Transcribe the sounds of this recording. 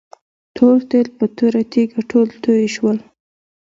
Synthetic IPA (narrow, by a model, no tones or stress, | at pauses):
t̪ʰoɾt̪elpət̪ʰəɾat̪iɡaʈʰolt̪ʰəeʃwəl